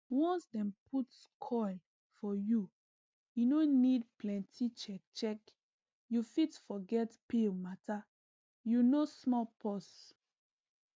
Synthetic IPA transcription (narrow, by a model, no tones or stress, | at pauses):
wɔ̃nsdɛ̃mpʰutskʰɔɪl | fɔju | inonid̚plɛ̃ntʰit͡ʃɛk̚t͡ʃɛk | jufitfɔɡɛtpemata | junosmɔlpʰɔs